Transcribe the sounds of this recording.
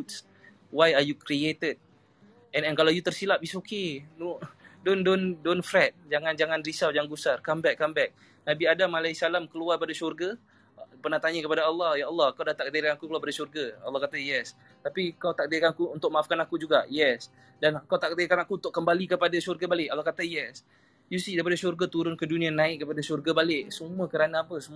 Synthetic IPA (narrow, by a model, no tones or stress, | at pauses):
ut̪̚s | wajajukɾiet̪əd̚ | ɛnɛnkalawjut̪ərsilaʔbisokenodondondonfɾɛt̪̚d͡ʒaŋãnd͡ʒaŋanɾisawd͡ʒaŋɡusarkambɛkːambɛk̚ | nabiadamalaisalamkəluarpadasurɡa | pərnaht̪aɲəkəpadaalːɔhjaɑlːɑhkawdaht̪aʔk̚ədiɾkanakukəluaɾpadasurɡaalːɑhkat̪ajɛs | t̪apikawt̪aʔk̚dikanakuːnt̪ʊk̚maʔafkanakud͡ʒuɡajɛs | dankawt̪aʔk̚d̪ikanakunt̪ʊʔkːəmbalikəpadasurɡabalɪʔalːɔhkat̪ajɛs | jusidajpadasurɡat̪uɾʊnkədunĩanaɪʔkəpadasurɡabalɪʔsəmuəkəɾanaːpəsəmu